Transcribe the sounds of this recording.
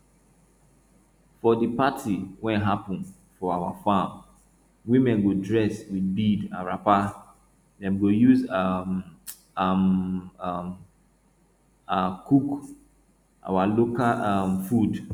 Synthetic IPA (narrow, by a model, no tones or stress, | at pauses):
fɔdipatʰiwɛ̃nɦapɔ̃n | fɔawafãm | wimɛ̃nɡodɹɛswidbidã̰nɹapa | dɛ̃mɡojuzam | am | m | akuk | ʔa̰walokalamfud